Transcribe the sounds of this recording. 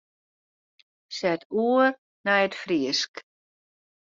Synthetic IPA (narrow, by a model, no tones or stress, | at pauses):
sɛtʰuər | nɛjətfriəsk